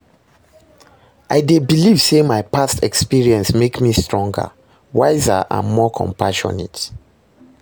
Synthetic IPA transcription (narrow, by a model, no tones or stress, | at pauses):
aɪdebiliv̥semaɪpastʰɛkspiɹiɛ̃nsmekmistɹɔ̃ŋɡə̰ | waɪza̰ʔã̰nmɔkʰɔ̰̃mpʰaʃɔ̰nḛt